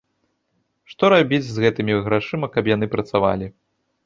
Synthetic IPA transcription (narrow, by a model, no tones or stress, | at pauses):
ʂt̪ɔɾabʲid͡zʲzɣɛt̪ɨmʲiɣɾaʂɨmɐkɐpjan̪ɨpɾɐt̪sava̰lʲi